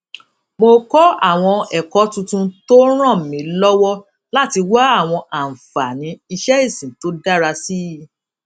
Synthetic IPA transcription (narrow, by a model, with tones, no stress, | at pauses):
mo˧kɔ˦a˦˨w̃ɔ̃˧ɛ˨kɔ˨˦tũ˧tũ˧to˦ɾ̃ã˦˨mĩ˨˦lɔ˦wɔ˦ | la˦˨ti˧wa˦a˦˨w̃ɔ̃˧ʔa˨n̩˨fa˨nĩ˨˦i˧ʃɛ˦i˦˨sĩ˨to˦da˦ɾa˧si˦˨